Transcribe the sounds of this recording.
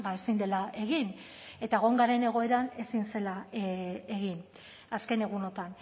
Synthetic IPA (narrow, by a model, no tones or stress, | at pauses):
baesind̪e̞laʔe̞ɣin | e̞t̪aɣo̞ŋɡaɾe̞ne̞ɣ̞o̞e̞ɾane̞sinse̞la | e̞ɣin | aske̞ne̞ɣ̞uno̞t̪an